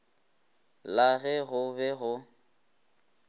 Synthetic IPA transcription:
laɣɛɣʊbɛɣʊ

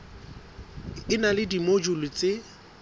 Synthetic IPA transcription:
ɪnalɪdimod͡ʒʊlʊt͡sʼeɪ

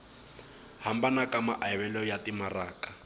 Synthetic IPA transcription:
hambanakʼamaʔaɛβɛlɔjatʼimaraːkʼḁ

